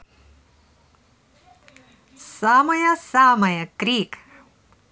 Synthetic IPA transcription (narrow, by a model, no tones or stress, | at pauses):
saːmɐjɐsaːmɐjɐkɾiːk